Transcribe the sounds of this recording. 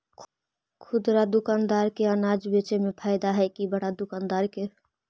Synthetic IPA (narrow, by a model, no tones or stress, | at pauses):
kʰʊd̪ɾad̪ʊkaːnd̪aɾkeənad͡ʒbet͡ʃemepʰaːɪd̪aɦɛkibəɽad̪ʊkand̪aːɾke